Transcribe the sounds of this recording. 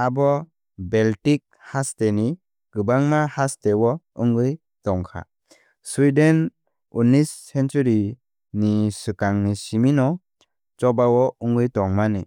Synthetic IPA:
abɔ | beltik̚hasteni | ɡ̥ɯbaŋmahastewɔ | ɯŋɡɯj | tɔŋkʰa̰ | swiden | unisːent͡ʃuɾi | nisɯkaŋnisiminɔ | t͡ʃɔbawɔuŋɡɯjtɔŋmani

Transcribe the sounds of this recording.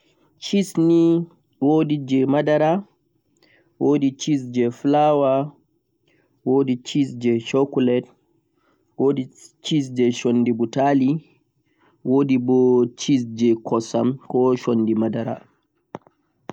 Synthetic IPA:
t͡ʃisni | wodid͡ʒɛmadaɾa | wʔodit͡ʃis̬d͡ʒɛflawa | woːdit͡ʃisd͡ʒɛʃokulɛt | wodit͡ʃis̬d͡ʒɛʃonːdibutali | woːdibɔt͡ʃisd͡ʒɛkɔsa̰mkɔʃonːdimadaɾa̰

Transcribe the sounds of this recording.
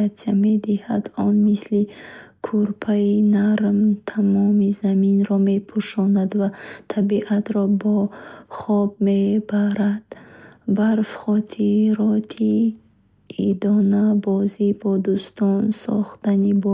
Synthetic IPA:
asijame̞d̪ihad̪ɔnmislikʰuɾpʰainaɾmt̪ʰamɔmizaminɾɔme̞pʰuʃɔnad̪vat̪ʰabiʔat̪ɾɔbɔχɔbme̞baɾad̪̥baɾfχɔt̪ʰiɾɔt̪ʰi | id̪ɔnabɔzibɔd̪ust̪ɔnsɔ̰χt̪anibɔ

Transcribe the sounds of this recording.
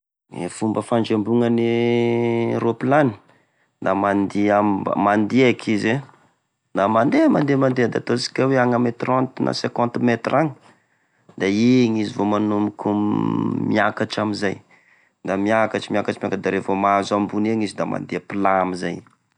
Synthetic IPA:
ḛfumbəfaɳd͡ʒembuŋəni | ɾoplani̥ | d̪amand̪iam̰mand̪iakʰize | d̪amand̪emand̪emand̪eəd̪at̪osi̥kʲaweaŋamet̪rɔ̃nt̪nʔa̰sekɔ̃nt̪mɛt̪raŋ | d̪aiŋizivomanumiku | miakaʈ͡ʂamizaj | d̪amiakaʈ͡ʂimiakaʈ͡ʂimjakad̪aɾevomazambuneŋizid̪ama̰nd̪eapilamizaj

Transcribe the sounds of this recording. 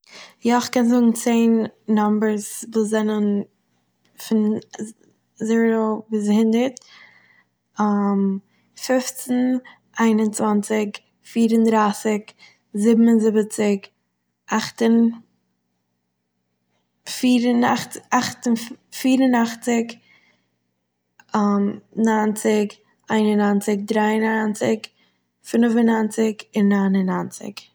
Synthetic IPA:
jaɪχkɛnzʊɡŋ̩t͡seɪnːɔmbəɾsvuszɛnən | fɪn | ziːɾoviːshɪndəɾt | am | fɪft͡sn̩ | ʔaɪnʊnt͡svant͡sɪk | fiːɾəndɾaːsɪk | zɪbm̩ənzɪbət͡sɪk | ʔaχtən | fiːɾənaχt͡sɪaχtənfiːɾənaχt͡sɪk | mnant͡sɪk | aɪnənant͡sɪk̚dɾaɪənant͡sɪk | fɪnvənant͡sɪkɪnːaɪnənant͡sɪ̰k

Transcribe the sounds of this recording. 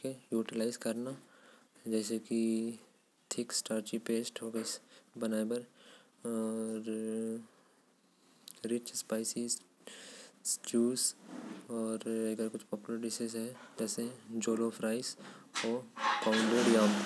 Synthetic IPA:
kejuːʈɪlaːɪzkɐɾna | d͡ʒɛːseki | t̪ʰɪksʈaːɾt͡ʃipeːsʈoːɡesbɐnaːebɐɾː | ɾ | ɾɪt͡ʃspaːɪsɪz | t͡ʃuːs | ɔːɾɐɡəɾkʊt͡ʃʰpɔːpjʊləɾɖɪsezɦɛd͡ʒɛːseɦɛ̃d͡ʒoːlopʰɾaːɪsoːpãʊ̃ɳɖoɾjaːm

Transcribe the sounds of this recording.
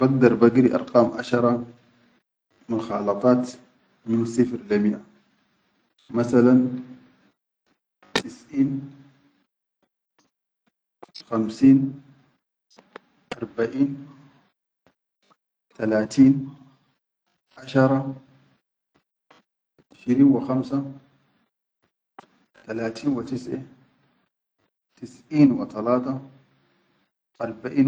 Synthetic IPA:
b̥aɡ̚d̪ɑɾˤbaɡɾiʔɑ̰ɾˤqɑːmʔaʃɑɾˤɑ | mʊxɑːlɑt̪ˤɑːt̪ | mɪnsˤɨfɾlamɪʔa | maθalan | t̪ɪsʔiːn | xamsiːn | ʔɑɾˤbaʔiːn | t̪alaːt̪iːn | ʔaʃɑɾˤɑ | ʔɪʃɾiːnwɪxamsa | t̪alaːt̪ʰiːnwit̪ɪsʔa | t̪ɪsʔiːnwɪt̪alaːt̪ɑ | ʔɑɾˤbaʔiːn

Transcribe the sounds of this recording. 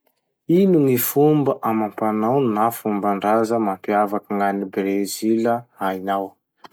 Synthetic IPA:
inuŋifumbəʔamampanawnafumbaɳɖ͡ʐazəmampiavakəŋanibeɾeziləainaw

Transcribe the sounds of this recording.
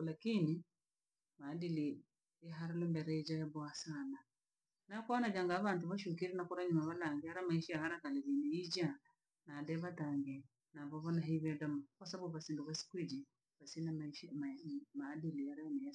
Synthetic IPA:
lakini | maːdili | jaɦaɾalɛmbɛɾɛid͡ʒajabɔasana | nakwanad͡ʒaŋɡaβantuβaʃuk̬iɾinakuɾaɲumaβalaŋɡɛhaɾamaiʃijahaɾakalɛβiniid͡ʒa | nadɛβataŋɡɛ | naβɔβɔnaɦiβɛdamakwasabuβasinduβasi̥kuid͡ʒi | βasinamaiʃimamaːdiliaɾanɛa

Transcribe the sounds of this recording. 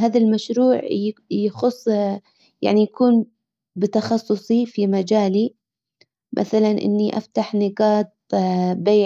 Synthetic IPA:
ɦaːðalmaʃɾuːʕjaxʊsˤː | ja̰ʕnijakʰuːn | bɪt̪ɑxɑsˤːʊsˤifimad͡ʒaːli | mʔa̰θalanʔɪ̰nːiʔa̰ft̪aħnɪɡɑːt̪̚ˤbeːʕ

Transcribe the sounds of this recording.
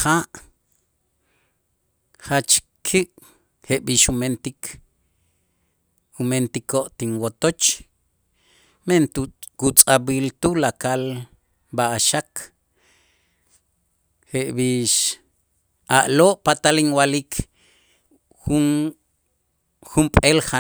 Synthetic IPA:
qaːʔ | χat͡ʃ | kʰiʔ | heʔɓiːʃument̪ikʰ | ument̪ikʰoʔt̪inwot̪ot͡ʃ | ment̪kut͡sʼabiːlt̪ulakal | baʔaʃak | heʔbiːʃ | aʔloːʔpat̪aliŋwalikʰ | xun | xumpʼelxa

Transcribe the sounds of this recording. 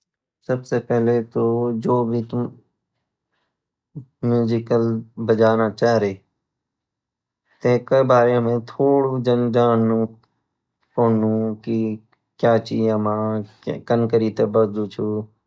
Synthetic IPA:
səbseːpɛɦleːt̪oːd͡ʒoːbʱiːt̪ʊ | mjuːzɪkəlbəd͡ʒaːnaːt͡ʃaːɦɾeː | t̪ẽːkəibaːɾemẽːt̪ʰoːɽud͡ʒənd͡ʒaːnũː | koːnũːki | kjaːt͡ʃiːəmãː | kənkəɾiːt̪eːbəɾd̪uːt͡ʃʰu

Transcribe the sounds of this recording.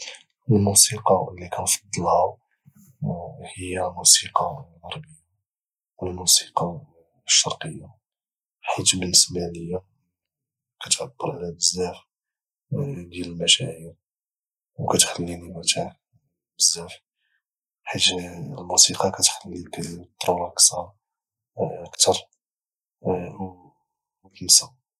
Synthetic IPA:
əlmusiqɑlːikænfɑ̥d̪ˤːɑlha | həjːæmusiqɑɣɑɾˤbəjːa | wəlmusi̥qɑ | ʃːɑɾˤqəjːa | ħit̪bənəsmænəjːa | kæt̪ʕabːəɾʕalæbəzːæf | d̪jæləlmæʃæʕiɾ | wkæt̪xəlːinibæt̪aʕ | bəzːæf | ħat̪lmusiqɑkæt̪xəlːikæt̪ˤːɾulɑksɑ | əkt̪ɑɾˤ | kənsæ

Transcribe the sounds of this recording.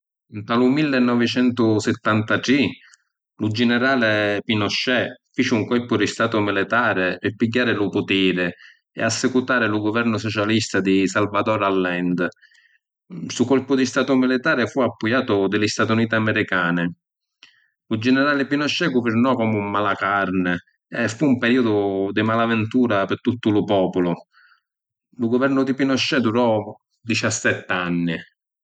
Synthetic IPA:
nt̪alʊmilːɪnːɔvɪt͡ʃɛnt̪ʊsɪt̪ːant̪aʈi | lud͡ʒɛnɛɾaːlɪpinɔʃːɛfit͡ʃɪuŋkɔlpʊd̪ist̪aːt̪ʊmilɪt̪aːɾɪɪpːiɟːaːɾɪlupʊt̪iːɾɪ | ɛ̰asːɛkut̪aːɾɪluɡʊvɛɾnʊsɔt͡ʃalist̪ad̪isalvad̪ɔɾalːɛnd̪ | sukɔlpʊd̪ist̪aːt̪ʊmilɪt̪aːɾɪfuapːujaːt̪ʊd̪ɪlɪst̪at̪uniːt̪ɪamɛɾikaːnɪ | lud͡ʒɛnɛɾaːlɪpinɔʃːɛɡʊvɪɾnɔkɔmumːalakaɾnɪ | ɛfuːmpɛɾiːʊd̪ʊd̪ɪmalavɪnt̪uːɾapɪɾt̪ut̪ːʊlʊpɔːpʊlʊ | lʊɡʊvɛrnʊd̪ipinɔʃːɛd̪uɾɔ | d̪it͡ʃasːɛt̪ːanːɪ

